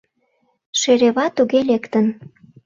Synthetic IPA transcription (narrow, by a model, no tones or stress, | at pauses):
ʃeɾeβɑt̪uɣelekt̪ən